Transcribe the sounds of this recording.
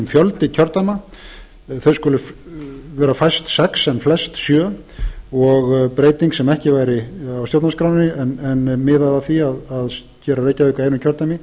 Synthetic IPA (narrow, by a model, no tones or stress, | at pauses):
mfjœlt̪ɪcʰœɾt̪ama | θeðskʏːlʏ | vɛːɾafajst̪sɛksɛnflɛst̪sjœː | ɔɣpɾeːjt̪iŋksɛmɛhcɪvajɾɪawst̪jowt̪naskɾawnnɪɛnɛnmɪðaðaθiaðað | cɛːɾareːjcaʏhkaejnʏcʰœɾt̪amɪ